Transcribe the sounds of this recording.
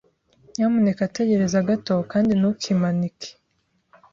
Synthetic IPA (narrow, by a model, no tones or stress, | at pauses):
jamunekate̞ɟe̞ɾe̞zaɡato̞kaːndinukʰimanikʰe̥